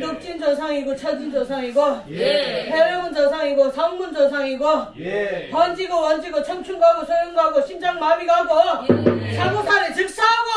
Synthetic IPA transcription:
tok̚t͡ɕ͈ind͡ʑʌsʰaŋiɡot͡ɕʰʌd͡ʑind͡ʑosʰaŋiɡo | heɾemund͡ʑʌsʰaŋiɡosʰʌŋmund͡ʑʌsʰaŋiɡo | pʌnd͡ʑiɡowʌnd͡ʑiɡot͡ɕʰʌmt͡ɕʰuŋɡaɡosʰojoŋɡaɡoɕʰind͡ʑaŋmamiɡaɡo | sʰaɡusʰaɾet͡ɕik̚s͈aɡo

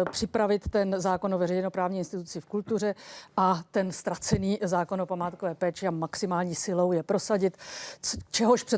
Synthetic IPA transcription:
pr̥ɪpɾavɪt̪ːɛnzaːko̞novɛrɛjnopɾaːvɲiːɪnst̪ɪt̪ut͡sɪfkult̪ur̝ɛʔat̪ɛnst̪ɾat͡sɛniːzaːko̞nopamaːt̪kovɛːpɛːt͡ʃɪamaksɪmaːlɲiːsɪlo̞wjɛpɾo̞saɟɪt̪ | t͡ʃɛɦoʃpr̥ɛ

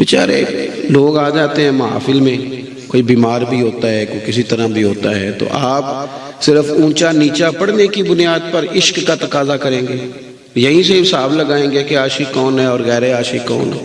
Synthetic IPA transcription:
bɪt͡ʃa̰ːɾḛloːɡaːd͡ʒaːt̪eɦɛ̃ːmɐɦa̰ːfɪlmẽ | koːibiːmaːɾbʱiɦoːt̪aɦɛkokɪsit̪ɐɾabʱiɦoːt̪aɦɛt̪o̰ʔaːp | sɪɾəfũːt͡ʃaniːt͡ʃapɐɽnekibʊnijaːd̪̚pɐɾɪʃkːat̪ɐkaːzakɐɾẽːŋɡeː | jɐɦĩseɪsaːbləɡaːẽːɡekeaːʃɪkɔːnɦɛɔːɾɣɛːɾeaːʃɪkɔ̰ːnɦɛː

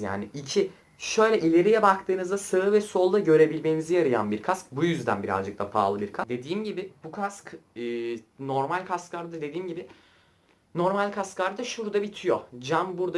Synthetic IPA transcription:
ja̰ːniicʰi | ʃø̞jlʲɛʔilʲe̞ɾijɛbakt̪ʰɯːnɯzd̪asaɯvɛso̞lˠːaɟø̞ɾe̞bilʲmennizijaɾɯja̰nbiɾkʰask̚bujyzd̪æ̰nbiɾa̰zd͡ʒɯk̚t̪ˠapʰa̰ːlˠɯbiɾkʰad̪e̞d̪iːmɟibɪbukʰaskɯːno̞ɾmalʲkʰasklˠaɾd̪ad̪e̞d̪iːmɟibɪ | no̞ɾmalʲkʰasklˠaɾd̪aʃuɾd̪abit̪ʰijo̞d͡ʒambuɾd̪a

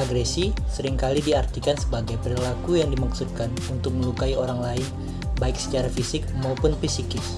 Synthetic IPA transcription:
ʔaɡɾɛsisəɾɪŋkalidiart̪ikansəbaɡajpəɾilakujaŋdimaksud̪̚kanunt̪ʊk̚məlukaioɾaŋlaɪn | baɪksə̥t͡ʃaɾafisɪk̚maupʊnfisikɪs

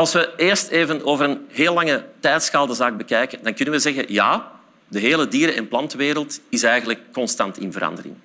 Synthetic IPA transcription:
ɑlˠsʋəeːrsteːvənoːvərənɦeːlɑŋətɛjtsxaːlˠdəzaːɡ̚bəkɛjkəndɑnkʏnənʋəzɛɣəjaː | dəɦeːlədiːɾəɛnplɑntəʋeːɾəlˠtɪsɛjɣənləkːɔnstɑntɪ̰nvəɾɑ̰ndərɪ̰ŋ

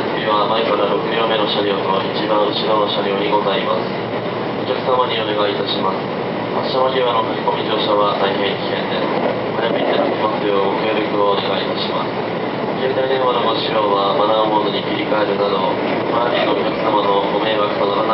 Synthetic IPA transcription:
mʲiβamaikaɾaɾo̞kɯ̟ɲo̞ːme̞no̞ɕaɾʲiot̪o̞ʔit͡ɕibaɰ̃ɕiɡãoɕaɾʲioːɲ̟iɡo̞zaimasɨ̥ | o̞kʲakɯ̟̥samaɲ̟io̞ne̞ɡait̪aɕimasɨ̥ | hḁɕanoɾʲiβano̞kɯkʲiko̞mʲid͡ʑo̞ːɕaβat̪aihẽ̞ɰkʲi̥kẽ̞nd̪e̞sɨ̥ | hajamʲiɲ̟inat̪ːekʲimasjoɡokɯeɾʲɯkɯ̟oːne̞ɡait̪aɕimasɨ̥ | ɡẽnd̪aid̪ẽɰ̃βanoboɕiɾoːβabad̪ãho̞ːd̪oɲ̟ikʲiɾʲikae̞ɾɯ̟nad̪o̞ | kanaɾʲiookʲakɯ̟̥samano̞ɡome̞ːβakɯ̟̥sad̪oɾan

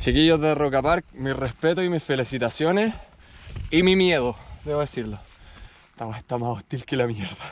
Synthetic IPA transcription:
t͡ʃikiʝoðerokapaɾk̚mirespe̞t̪oimisfe̞lisit̪asjo̞nes | imimjeðo̞d̪eβoðesiɾlo | t̪amoheht̪amasoht̪ilkelamjeɾða

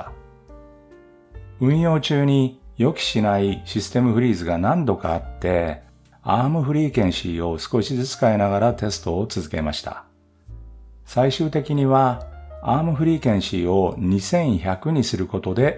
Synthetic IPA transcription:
ɯ̟̃ɰ̃jo̞ːt͡ɕɨːɲ̟ijo̞kʲi̥ɕinaiɕisɨ̥t̪e̞mɯ̟ɸɯ̟ɾʲiːzɨɡanãnd̪o̞kaːt̪ːe̞ | aːmɯ̟ɸɯ̟ɾʲiːkẽ̞ɰ̃ɕiːo̞sɨ̥ko̞ɕid͡zɨt͡sɨ̥kaenaɣaɾat̪e̞sɨ̥t̪o̞ːt͡sɨzɨke̞̰maɕi̥t̪a̰ | saiɕɨːt̪e̞kʲiɲ̟iβaaːmɯ̟ɸɯ̟ɾʲiːkẽ̞ɰ̃ɕiːo̞ɲ̟isẽ̞ɰ̃çakɯ̟ɲ̟isɨɾɯ̟ko̞t̪o̞d̪e̞

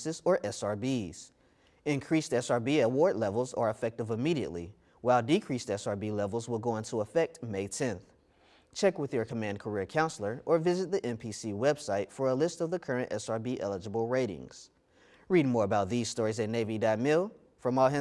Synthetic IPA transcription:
sɨzə˞ʔɛsɑɹbiz̥ | ɨ̃nkʰɹ̥istɛsɑɹbiɨwɔɹdˡlɛvl̩ˠzə̰˞əfɛk̚tɨvəmiɾiɨ̰ʔˡlḭ | waɪlˠdɨkʰɹ̥istɛsɑɹbilɛvl̩ˠzwəlˠɡoʊɪ̃ntʰəəfɛk̚t̚meɪtʰɛ̃nθ | t͡ʃʰɛkwɨðjə˞kʰəmæ̃n̚kʰə˞iɹkʰãʊ̃nsl̩ˠə˞ʔə˞vɪzɨt̪̚ðiʔɛ̃mpʰisiwɛb̥saɪtfə˞əlɪstʌvðɨkʰɜ˞ɨ̃ntɛ̰sɑɹbiʔɛlˠəd͡ʒəbl̩ˠɹeɪɾɪ̰̃ŋz̥ | ɹid̚mɔɹəbaʊt̪̚ðiz̥stɔɹizɨtⁿneɪvidaɪmɪlˠ | fɹʌ̃maɦɛ̃

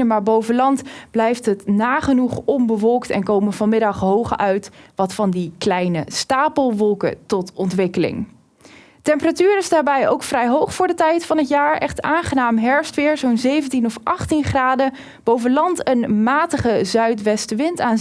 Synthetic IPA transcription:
əmaːɹbowvəlɑntblɛjftɦətnaːχənuχɔmbəʋɔlˠktɛ̰nkowməvɑnmɪdɑχɦowχœɥtʋɑtfɑndiklɛjnəstaːpəlˠʋɔlˠkə̰tɔtɔntʋɪkəlɪ̰ŋ | tɛmpəratyːɹɪzdaːɹbɛjowkfrɛjɦowχfʊːɹdətɛjtfɑnətjaːɹʔɛχtaːnχənaːmɦɛɹfstʋɪːɹzownzejvəntinɔfʔɑχtinχraːdə | b̥owvənlɑntənmaːtəχəzœɥtʋɛstəʋɪntaːn

